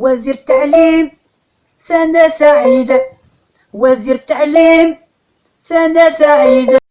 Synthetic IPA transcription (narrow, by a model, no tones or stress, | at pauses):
wæziɾt̪ːaʕlim | sænæsaʕid̪ | wæziɾt̪ːaʕlim | sænæsaʕid̪